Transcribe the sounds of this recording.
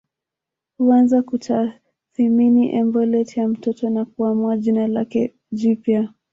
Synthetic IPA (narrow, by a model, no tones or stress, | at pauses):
huanzakutʰa | θiminiʔɛmbɔlɛtjam̩tɔtɔnakuamuaʄinalakɛ | ʄipja